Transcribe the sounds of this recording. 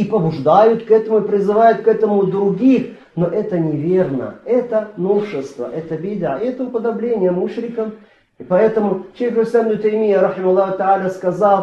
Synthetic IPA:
ipəbʊʐd̪ajʊt̪kɛt̪əmʊɪpɾʲɪzɨvajʊt̪̚kɛt̪əmʊd̪ɾʊɡʲix | noʔɛt̪ənʲɪvʲe̞rnə̰ɛt̪ənofʂɨst̪və̰ʔɛt̪əbʲid̪ʕa̰ɪɛt̪əʊpəd̪ɐblʲenʲɪjəmuʂɾʲɪkəm | ipɐɛt̪əmʊʃejxlʲɪsʲabnʊt̪ɐjmʲijəɾɐħɪmɐlˠːɑɦʊt̪aʕalʲəskɐzalˠ

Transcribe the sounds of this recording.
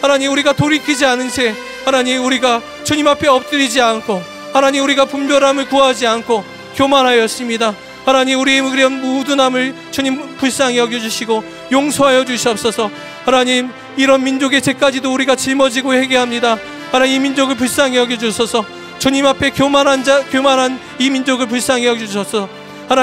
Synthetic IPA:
hanaɲimuɾiɡatoɾikʰid͡ʑianɯnsʰe̞ | hanaɲimuɾiɡa | t͡ɕuɲimapʰe̞ʌp̚t͈ɯɾid͡ʑiankʰo | hanaɲimuɾiɡapumbjʌɾamɯɭkuɦad͡ʑiankʰo | kjomaɾɦajʌs͈ɯmɲida | hanaɲimuɾieɾiʌnmodunamɯɭ | t͡ɕuɲimpuɭs͈aŋijʌɡjʌd͡ʑuɕʰiɡo | joŋsʰoɦajʌd͡ʑuɕʰiʌp̚s͈ʌsʰʌ | hanaɲim | iɾʌnmind͡ʑoɡe̞t͡ɕe̞k͈ad͡ʑidouɾiɡat͡ɕiɭmʌd͡ʑiɡohe̞ɡeɦamɲida | hanaɲimimind͡ʑoɡɯɭp̬uɭs͈aŋeʌɡjʌd͡ʑosʰʌsʰʌ | t͡ɕuɲimapʰe̞komaɾand͡ʑakjomaɾɦan | imind͡ʑoɡɯɭpuɭs͈aŋeʌɡuɕʰʌsʰʌ | han

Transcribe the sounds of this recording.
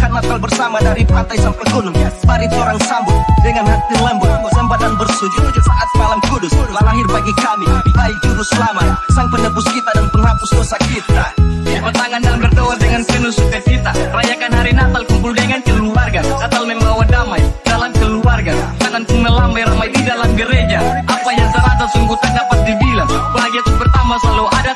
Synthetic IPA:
kannːat̪albərsamadaɾipat̪ajsaŋpɛkonomiabaɾit̪oɾaŋsambʊt̪̚dəŋanhart̪iləmbʊt̪sampad̪anbərsud͡ʒʊt̪̚saŋat̪̚malaŋkudʊslaaɦɪrbaɡikamiaid͡ʒuɾʊslama̰saŋpənəpʊskit̪adanpəŋhapʊsdosakit̪aapət̪aŋandalambərt̪owatdəŋanpənusukakit̪aɾajakanɦaɾinat̪alkumpuldaiŋant͡ʃəluluwarɡanat̪almɛŋlawadamajdalamt͡ʃəlluwarɡat̪aŋanpuŋnəlambajɾamajidalamɡəɾed͡ʒaʔapajaŋsəɾat̪asəŋɡut̪andapat̪̚dibilaŋpəlaɡat̪ʊpərt̪amasaluada

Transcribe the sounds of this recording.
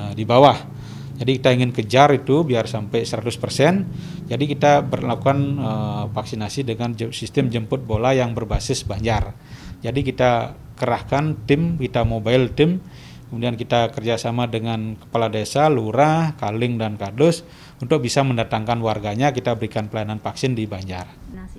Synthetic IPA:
dibawah | d͡ʒadikit̪aiŋɪnkəd͡ʒaɾit̪ubiarsampajsəɾat̪ʊspərsɛn | d͡ʒadikit̪abərlakukanəfaksinasidəŋand͡ʒsist̪əmd͡ʒəmpʊt̪̚bolajaŋbərbasɪsbaɲd͡ʒar | d͡ʒadikit̪a | kəɾahkant̪ɪmkit̪amobaɪlt̪ɪm | kəmudiankit̪akərd͡ʒasamadəŋankə̥paladesaluɾahkalɪŋdankadʊs | unt̪ʊk̚bisaməndat̪aŋkanwarɡaɲakit̪abəɾikanpəlajananfaksɪndibaɲd͡ʒa̰r

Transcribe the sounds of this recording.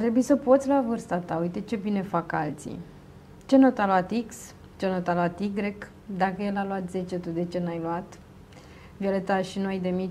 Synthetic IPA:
at̪ɾe̞buisəpo̞t̪sʲluavɨrst̪at̪aujt̪e̞t͡ʃe̞bine̞faka̰lt̪sḭ | t͡ʃe̞not̪aluat̪iks | t͡ʃe̞not̪aluat̪iɡɾe̞k | d̪akəjelaluat̪ze̞t͡ʃet̪ud̪e̞t͡ʃe̞najluat̪ | vio̞le̞t̪aʃinuajd̪e̞mit͡ʃ

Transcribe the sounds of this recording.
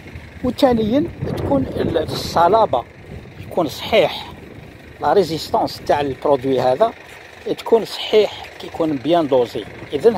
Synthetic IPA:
wt̪ænəjːənt̪kunsˤːɑlɑbɑ | jkunsˤħiħ | lɾˤezist̪ɑ̃st̪aʕləlpɾod̪wiɦæd̪æ | t̪kunsˤħiħkæjkunbjænd̪ˤoziʔid̪ən

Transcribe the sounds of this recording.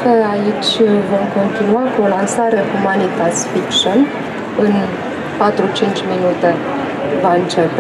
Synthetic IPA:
kəait͡ʃʲvo̞mko̞nt̪inuakuo̞lansaɾe̞humanit̪asfikʃon | ɨn | pat̪ɾut͡ʃint͡ʃʲminut̪e̞ | vaɨnt͡ʃe̞pe

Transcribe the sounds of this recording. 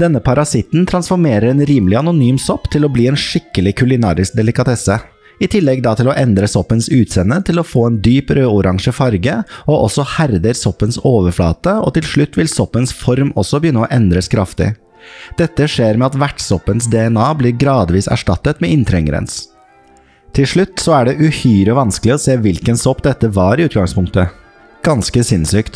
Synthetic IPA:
d̪̥ɛnːəpʰɑɾɑsɪt̪nt̪ʰɾɑnsfɔɾmeːɾəɾɛːnɾiːmlɪɑnʊnyːmsɔpːt̪ʰɪlɔbliːɛːnʂɪkːəlɪkʰʉlɪnɑ̰ːɾɪsk̚d̪ɛlɪkɑt̪ʰɛsə | ɪt̪ʰɪlːɛɡd̪ɑːt̪ʰɪlɔʔɛnd̪ɾəsɔpːənsʉːt̪sɛnːət̪ʰɪlɔfoːeːnd̪yːpɾøːʊɾʔɑŋʂəfɑɾɡəɔʔɔsɔhæɾd̪əɾsɔpːənsoːʋəɾflɑ̰ːt̪əɔ̰t̪ɪlʂɭʉt̪ːʋɪlsɔpːənsfɔɾmɔsːɔbəjʏnːəɔʔɛnd̪ɾəskʰɾɑft̪ɪ̰ | d̪̥ɛt̪ːəʂeːɾmɛɑt̪ʋæʈsɔpːənsd̪ɛɛnɑːbliːɾɡɾɑːd̪ʋiːsæ̰ʂʈɑt̪ːət̪mɛɪnt̪ʰɾɛŋəɾɛ̰ns | t̪ʰɪlʂɭʉt̪ːsɔæɖɛʔʉhyːɾɔʋɑnsklɪɔseːʋɪlkənsɔpːd̪ɛt̪ːəʋɑɾɪʉːt̪̚ɡɑŋspʰʊŋkt̪ə | ɡ̥ɑnskəsɪnsyːkt̪

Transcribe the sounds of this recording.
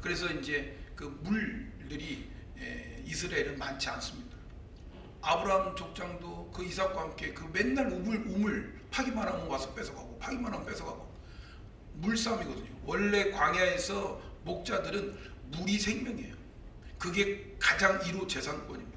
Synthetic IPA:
kɯɾe̞s̬ʰʌind͡ʑe̞kɯmuɭdɯɾi | eisʰɯɾaeɾɯnmant͡ɕʰians͈ɯmɲida | abɯɾaɦɯmt͡ɕok̚t͡ɕ͈aŋdokɯisʰakwahamk͈e̞kɯme̞nːaɭomɯɭomɯɭ | pʰaɡimanɦamɯwasʰʌp͈esʰʌɡɦaɡopʰaɡimanɦamp͈e̞sʰʌɡaɡo | muɭs͈amiɡʌdɯɲowʌɭːe̞kwaŋjaesʰʌmok̚t͡ɕ͈adɯɾɯnmuɾisʰe̞ŋmjʌŋe̞̰jo | kɯɡe̞kad͡ʑaŋiɾot͡ɕe̞sʰank͈wʌɲim

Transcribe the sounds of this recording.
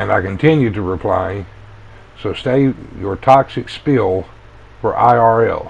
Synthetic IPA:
ɨ̃naɪkɨ̃n̩tʰɪ̃njʉd̚tɨɹɪpʰl̥a̰ɪ | soʊsteɪjə˞tʰɑksɨkspɪlˠ | fə˞ʔaɪɑɹɛ̰lˠ

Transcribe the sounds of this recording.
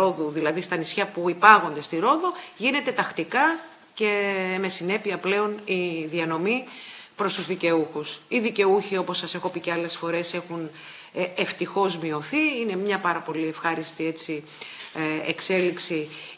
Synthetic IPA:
o̞ðuðilɐðist̪ɐnisçɐpuipɐɣo̞nd̪e̞st̪iɾo̞ðuʝine̞t̪e̞t̪ɐxt̪ikɐ | ce̞me̞sine̞piɐple̞o̞niðiɐno̞mipɾo̞st̪uzðice̞uxusiðice̞uçio̞po̞sːɐse̞xo̞piceɐle̞sfo̞ɾe̞se̞xun | eft̪ixo̞zmio̞θiine̞mɲɐpɐɾɐpo̞lie̞fxɐɾist̪ie̞t͡si | ḛkse̞liksi

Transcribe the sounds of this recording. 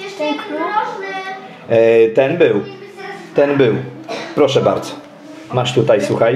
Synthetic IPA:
t̪ɛnbɘw | t̪ɛnbɘwpɾɔʂɛba̰ɾd̪z̥ɔ̥ | maʂt̪ut̪ajswuxaj

